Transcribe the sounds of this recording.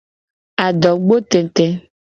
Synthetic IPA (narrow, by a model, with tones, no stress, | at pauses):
a˨ɖɔ˨ɡ͡bo˦t̪e˨t̪ɛ˦